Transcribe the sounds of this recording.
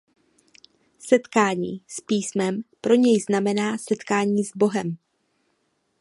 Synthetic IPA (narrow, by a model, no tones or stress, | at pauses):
sɛt̪kaːɲḭːspiːsmɛmpɾo̞ɲɛjznamɛnaːsɛt̪kaːɲiːzbo̞ɦɛm